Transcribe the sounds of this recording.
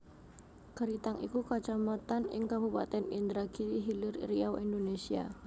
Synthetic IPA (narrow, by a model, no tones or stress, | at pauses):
kəɾit̪aŋḭkukat͡ʃamat̪anɪ̰ŋkabupa̰t̪ɛnind̪ɾakiɾiɦilɪrḭriawʔindonesia̰